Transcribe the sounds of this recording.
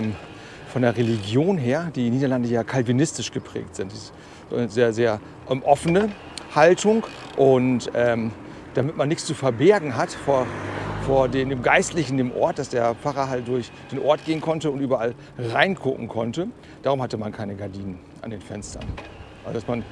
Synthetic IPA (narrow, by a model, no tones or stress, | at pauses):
m | fɔndeːɐʁeliɡjoːnɦeːɐd̥iːnːiːdɐlandəjaːkʰalvinɪstɪʃɡ̥əpʁ̥ɛ̰ːk̚tz̥ɪntd̥iː | nəzeːɐzeːɐ | ʔɛmʔɔfənə | haltʰʊŋ | ʔʊntʔɛːm | d̥amɪtmanːɪçt͡st͡sufɛɐbɛɐɡŋ̩ɦatfoːɐfoːɐdeːmdeːmɡaɪstlɪçn̩deːmʔɔ̰ɐt̚d̥asd̥eːɐp͡faʁɐɦaltd̥ʊɐç | d̥eːnʔɔɐt̚ɡ̥eːənkʰɔntəʊntʔyːbɐʔal | ʁaɪnkʰʊkŋ̩kʰɔntə | d̥aːʁ̞ʊmhatəmankʰaɪnəɡaɐdiːnən | ʔa̰ndeːnfɛnstɐ̰nʔa̰lzodasman